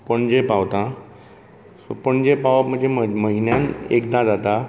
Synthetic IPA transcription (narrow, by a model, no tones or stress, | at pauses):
pəɳd͡ʑepaʋt̪ã | sopəɳd͡ʑepaʋam̤ə̃ɳd͡ʑd͡zeməɦinjãnḛkd̪ãd͡zat̪a